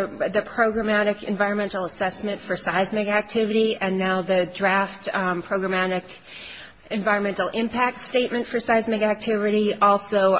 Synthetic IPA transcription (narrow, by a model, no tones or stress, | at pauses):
ðɨpʰɹ̥oʊɡɹɨmæɾɨkɨ̰̃ɱvaɪɹə̃nmɛ̃ntˡl̩ˠəsɛsmɨ̃ntfə˞saɪzmɛɡæk̚tʰɪvɨɾiʔɨ̃nːaʊðɨdɹæftpʰɹ̥oʊɡɹɨmæɾɨk | ɨ̃ɱvaɪə̃nmɛ̃ntˡl̩ˠɪ̃mpʰæk̚tsteɪt̚mɨ̃ntfə˞saɪzmɛ̃ɪɡæk̚tʰɪvɨɾiɔlˠsoʊ